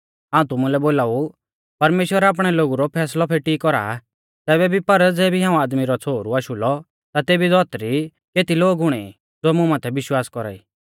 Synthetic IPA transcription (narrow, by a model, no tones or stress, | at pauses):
ɦaːũt̪ʊmũlɛboːlaːu | pɐɾmeːʃwəɾaːp̬ɽ̃ɛloːɡuɾɔpʰɛːslɔpʰeːʈikɔɾa̰ | t̪ɛːβɛbʱipɐɾd͡zɛːbiɦãːũaːd̪miɾɔt͡sʰoːɾuaːʃʊlɔ | t̪at̪eːbid̪ɔːt̪ɾi | keːt̪iloːɡʊɽ̃ɛ̰ | d͡zoːɛmʊ̃mãːt̪ʰɛʋɪʃwaːskɔɾa̰ːḭː